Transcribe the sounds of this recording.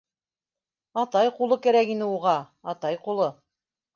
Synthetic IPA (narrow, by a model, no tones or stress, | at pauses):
ɑt̪ɑjqulˠɤkæɾækinɘuʁɑ | ɑt̪ɑjqulˠɤ